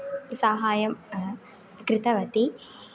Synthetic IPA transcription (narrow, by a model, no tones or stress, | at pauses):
saːɦaːjɐm | kɾɪt̪ɐʋɐt̪i